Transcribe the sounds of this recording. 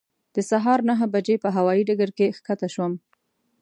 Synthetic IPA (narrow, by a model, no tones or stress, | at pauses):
d̪̥əsaɦɑɾnaɦabad͡ʒepəɦawɑjiɖaɡaɾkexkat̪aʃwəm